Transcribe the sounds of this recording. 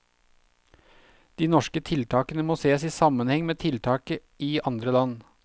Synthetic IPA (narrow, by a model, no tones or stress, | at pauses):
d̪̥iːnɔʃkət̪ʰɪlt̪ʰɑːkənəmoːseːsiːsɑmənhɛŋmeːt̪ʰɪlt̪ʰɑːkəʔiːʔɑnd̪ɾəlɑn